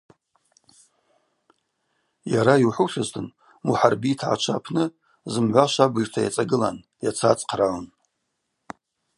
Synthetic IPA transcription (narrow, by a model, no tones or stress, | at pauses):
jaɾaiwħuʃaztʰɨn | muħarbitʰʕa̰t͡ʃʷʰa̰pʰnɨ | zɨmʕʷaʃʷabɨʒtʰajat͡sʼaɡɨla̰n | jat͡sʰat͡sʼqʰralan